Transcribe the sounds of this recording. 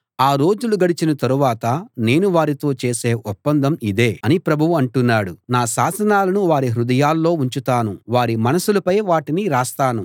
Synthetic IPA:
aːɾo̞ːd͡ʒuluɡɐɽit͡ʃinɐt̪ɐɾuʋaːt̪ɐne̞ːnuʋaːɾit̪o̞ːt͡ʃe̞ːse̞ːʔɔpːɐnd̪ʱɐmid̪e̞ːɐnipɾɐbʱuʋuɐɳʈunːaːɽunaːʃaːsɐnaːlɐnuʋaːɾiɦɾud̪ɐjaːlːo̞ːuɲt͡ʃut̪aːnuʋaːɾimɐnɐsulɐpɐjʋaːʈiniɾaːst̪aːnu

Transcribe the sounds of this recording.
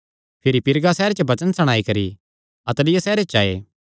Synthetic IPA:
pʰɪɾipɪɾɡasɛːɾet͡ʃobɐt͡ʃənsɐɽ̃aːikɐɾḭ | ɐt̪lɪjasɛːɾet͡ʃaːḛː

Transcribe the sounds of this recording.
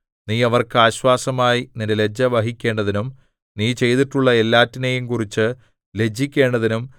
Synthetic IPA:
niːɐʋɐrkɨaːɕwaːsɐmaːjinindele̞d͡ʑːɐʋɐɦikʲːe̞ːɳɖɐðinum | niːt͡ɕe̞jt̪iʈːuɭːɐe̞lːaːtːinejumkurit͡ɕːɨ | le̞d͡ʑːikʲːe̞ːɳɖɐðinum

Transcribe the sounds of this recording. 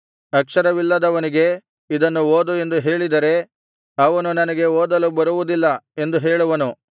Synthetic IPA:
ɐkʂɐɾɐʋilːɐd̪ɐʋɐniɡe̞ | id̪ɐnːuoːd̪ue̞nd̪uɦe̞ːɭid̪ɐɾe̞ | ɐʋɐnunɐnɐɡe̞oːd̪ɐlubɐɾuʋud̪ilːɐe̞nd̪uɦeːɭuʋɐnu

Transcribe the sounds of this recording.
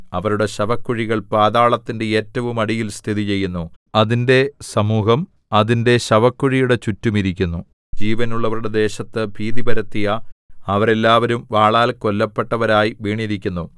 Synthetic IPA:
ɐʋɐɾuɽe̞ɕɐbɐkːuɻiɣɐɭpaːðaːɭɐt̪ːindeeːtːɐʋumɐɽijilst̪ʰiðit͡ɕe̞jːunːuɐðinde̞sɐmuːɦɐm | ɐðinde̞ɕɐbɐkːuɻijuɽe̞t͡ɕutːumiɾikʲːunːu | d͡ʑiːʋɐnuɭːɐʋɐɾuɽe̞d̪e̞ːɕɐt̪ːɨbʱiːðibɐɾɐt̪ːijɐɐʋɐɾe̞lːaːʋɐɾumʋaːɭaːlkolːɐpːe̞ʈːɐʋɐɾaːjiʋiːɳiɾikʲːunːu

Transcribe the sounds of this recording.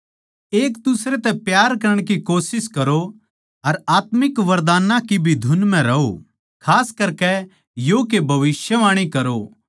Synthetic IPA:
eːkd̪ʊsɾet̪ɛpjaːɾkɐɾəɽ̃kikoːsɪskɐɾo | ɐɾaːt̪mɪkʋɐɾd̪aːnãkibʱid̪ʱʊnmɛ̃ɾɐo̰ | kʰaːskɐɾkɛ | jokebʱɐʋɪsjəʋaːɽ̃ikɐɾo

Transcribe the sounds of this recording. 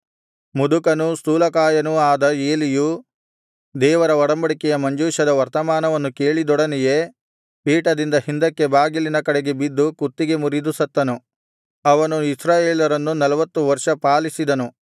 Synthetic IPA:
mud̪ukɐnust̪uːlɐkaːjɐnuaːd̪ɐe̞ːliju | d̪ɛːʋɐɾɐɔɽɐmbɐɽikɛjɐmɐɲd͡ʒuːʃɐd̪ɐʋɐɾt̪ɐmaːnɐʋɐnːuke̞ːɭid̪ɔɽɐnɛje̞ | piːʈɐd̪ind̪ɐhind̪ɐkːe̞baːɡilinɐkɐɽeɡe̞bid̪ːukut̪ːiɡe̞muɾid̪usɐt̪ːɐnu | ɐʋɐnuisɾaːjeːlɐɾɐnːunɐlɐʋɐt̪ːuʋɐɾʂɐpaːlisid̪ɐnu

